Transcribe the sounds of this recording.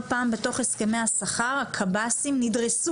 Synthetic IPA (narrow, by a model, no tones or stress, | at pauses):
paːmbe̞to̞χeske̞me̞jhasaχaʁakʰabasimnidʁesu